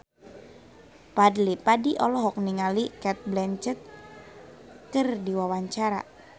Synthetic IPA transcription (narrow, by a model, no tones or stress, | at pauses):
padlipadiʔɔlɔɦɔk̚niŋalikɛt̪̚blɛɲt͡ʃət̪̚ | kɨrdiwawaɲt͡ʃaɾa̰